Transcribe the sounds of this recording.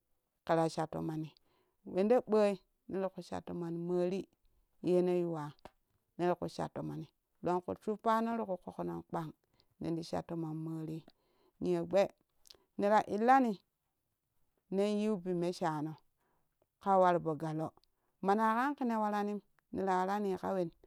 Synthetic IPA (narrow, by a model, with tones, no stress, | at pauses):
ka˨ɾa˨ʃa˨tːo̰˨ma˨ni˨ | we˨nde˦ɓə˦i˦ | ni˦ɾi˨ku˨ʃa̰˨tːo˨ma˨n˨mə˦ɾi˦ | je˦ne˦ju˨wa˨ | ne˦ɾkṵ˨ʃa̰˨tːo˨ma˨ni˨ | lo˨ŋkṵ˨t͡ʃu˦pa˦ne˦ɾi˦ku˨ko˨ko˨no˨nk͡pa˦ŋ | nḛ˨ndi˨ʃa̰˨tːo˨ma˨nmə˦ɾi˦ | ni˨e˨ɡ͡be˦ | ni˨ɾa˨ʔi˨lːa˦ni˨ | ne˦nji˦bi˨me˦ʃa˨no˨ | ka˦wa˨ɾbo˨ɡa˨lo˦ | ma˨na˨ka˦nki˦ne˨wa˨ɾa˦ni˦m | ni˨ɾa˨wa˨ɾa˦ni˨ka̰˦we˨n